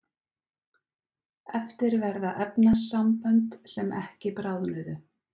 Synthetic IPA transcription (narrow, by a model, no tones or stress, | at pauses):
ɛft̪ɪɾvɛɾðaʔɛpnasampœnt̪sɛmʔɛhcɪpɾawðnʏðʏ